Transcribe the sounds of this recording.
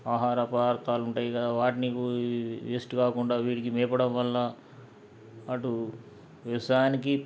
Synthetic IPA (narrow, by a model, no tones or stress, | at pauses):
aːɦaːɾɐpaːɾt̪ʰaːluɳʈaːjikɐd̪aːʋaːʈiniːkuʋesʈukaːkuɳɖaːʋiːʈikimɛːpɐɽɐmʋɐlːɐ | ʈu | ʋiʋɐsɐjaːniki